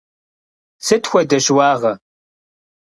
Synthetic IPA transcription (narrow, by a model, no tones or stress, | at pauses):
sɨtxʷɔdɐʃwɑːʁɐ